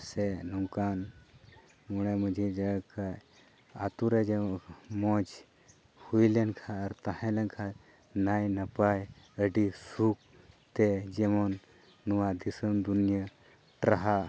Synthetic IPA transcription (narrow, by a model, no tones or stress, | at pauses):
senuŋkan | muɽ̃eməd͡ʒʱid͡ʒəkʰaj | a̰t̪uɾed͡ʒemɔd͡ʒ | hujlenkʰaɾt̪ahãlenkʰa | najnɐpaj | əɖisuk̚ | t̪ed͡ʒemɔnː | uʋad̪isənd̪unjə | ʈɾɐɦa